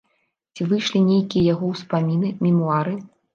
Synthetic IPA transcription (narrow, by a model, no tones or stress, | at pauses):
t͡sʲivɨjʂlʲinʲejkʲijɐjaɣɔwspamʲinɨmʲɛmuaɾɨ